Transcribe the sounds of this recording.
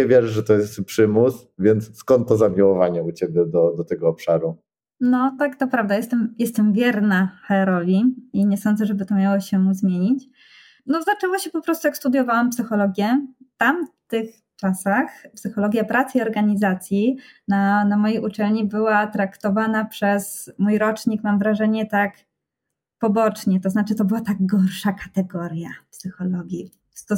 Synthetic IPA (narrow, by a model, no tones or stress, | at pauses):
ɛvʲjɛʐɛʐɛt̪ɔjɛst̪pʂɘmus | vʲjɛnt̪sskɔnt̪ːɔzamʲiwɔvaɲɛut͡ɕɛbʲjɛd̪ɔd̪ɔt̪ɛɡɔːpʂaɾu | nɔt̪akt̪ɔpɾavd̪ajɛst̪ɛmjɛst̪ɛmvʲjɛɾnaxɛɾɔlʲiiɲɛsɔnd̪zɛʐɛbɘt̪ɔmʲjawɔɕɛmuzmʲjeɲit͡ɕ | nɔzat͡ʂɛwɔɕɛpɔpɾɔst̪ujakst̪ud̪jɔvawampsɘxɔlɔɡʲjɛt̪amt̪ɘx | t͡ʂasaxpsɘxɔlɔɡʲjapɾʔat̪siɔɾɡaɲizat̪sʲjinanamɔjejʔut͡ʂɛlɲibɘwat̪ɾakt̪ɔvanapʂɛsmujɾɔt͡ʂɲikmamvɾaʐɛɲɛt̪ak | pɔbɔt͡ʂɲɛt̪ɔznat͡ʂɘt̪ɔbɨwat̪aɡɡɔɾʂakat̪ɛɡɔɾjapsɘxɔlɔɡʲji | st̪ɔ